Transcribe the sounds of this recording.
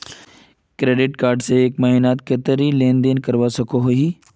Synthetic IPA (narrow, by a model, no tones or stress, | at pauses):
kɾeːɖɪʈkaːɾɖseːkmaːinaːt̪kɐt̪əɾilẽːnd̪eːnkɐɾʋasɐkoɦoɦiː